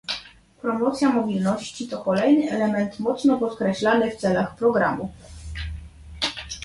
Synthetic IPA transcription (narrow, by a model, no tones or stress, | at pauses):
pɾɔmɔt̪sʲjamɔbʲilnɔɕt͡ɕit̪ɔkɔlɛjnɘɛlɛmɛnt̪mɔt̪snɔpɔt̪kɾɛɕlanɘft̪sɛlaxpɾɔɡɾa̰mu